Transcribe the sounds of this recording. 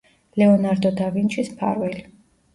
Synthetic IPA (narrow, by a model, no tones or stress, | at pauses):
lɛɔnaɾd̪ɔd̪avint͡ʃʰismpʰa̰ɾwɛli